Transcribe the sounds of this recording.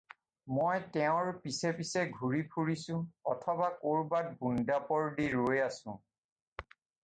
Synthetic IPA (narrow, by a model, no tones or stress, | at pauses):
mojtɛʊ̃ɹpisɛpisɛɡʱuɹipʰuɹisʊ̃ɔtʰɔbakoɹbat̚bundapɔɹdiɹojasʊ̰̃